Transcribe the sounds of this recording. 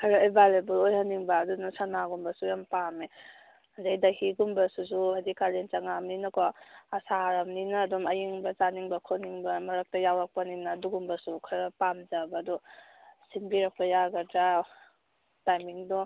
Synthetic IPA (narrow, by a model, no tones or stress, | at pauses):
kʰɐɾaebalebulojhaniŋbaːdunasanaɡumbɐsujampame | zajdahiɡumbɐsuzuadikalent͡ʃaŋamninɐkɔɐsaɾamninaːdɔmɐjiŋbɐzaniŋbɐkʰoniŋbɐmɐɾak̚tɐjawak̚pɐninaduɡumbɐsukʰaɾapamzabaːdɔ | sinbiɾak̚pɐjaɡɐda | tajmiŋdɔ